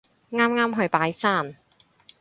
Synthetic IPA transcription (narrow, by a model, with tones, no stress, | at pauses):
ŋaː˥mŋaː˥mɦɵ˧ɥpaː˨˥jsaː˥˩n